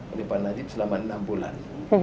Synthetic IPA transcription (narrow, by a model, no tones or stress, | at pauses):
ədipanːad͡ʒit̪̚səlamaənambula̰n